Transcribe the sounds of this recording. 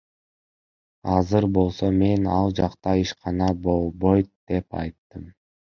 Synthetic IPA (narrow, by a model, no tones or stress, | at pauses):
ɑzɯɾbo̞lˠso̞me̞nɑlˠd͡ʒɑqt̪ɑiʃqɑnɑbo̞lˠbo̞jt̪d̪̥e̞pɑ̰jt̪ːɯm